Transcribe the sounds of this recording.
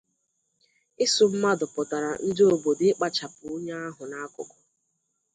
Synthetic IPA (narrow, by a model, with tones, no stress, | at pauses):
ɪ˦sʊ˨m̩˦ma˦dʊ˨pʊ˨ta˨ɾa˨n̩˦dɪ˦o˨bo˨dɪ˦k͡pa˦t͡ʃa˨pʊ˨˦ʊ˦ɲa˦a˦ɦʊ˨na˦kʊ̰˨kʊ̥˨